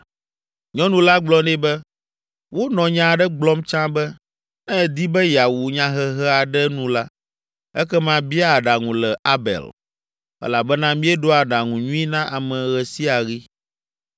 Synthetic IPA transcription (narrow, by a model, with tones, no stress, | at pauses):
ɲɔ̃˦nũ˨la˦ɡ͡blɔ˦nɛ̃˦bɛ˦ | wo˦nɔ̃˨ɲã˨ɖɛ˦ɡ͡blɔ˦mt͡ʃã˦bɛ˦ | nɛ̃˦˨d̪i˦bɛ˦ja˨wu˨ɲã˦ɦɛ˦ɦɛ˦a˨ɖɛ˦nũ˦la˦ | ɛ˦kɛ˦mã˦bi˦a˦˨ɖa˨ŋũ˨lɛ˨a˦bɛ̰˨l | ɛ̰˦la˨bɛ˦nã˦mĩ˦ɛ˦ɖo˦a˨ɖa˨ŋũ˨ɲũ˦i˦nã˦ʔa˨mɛ̃˨ɣɛ˨si˦a˨ɣi˦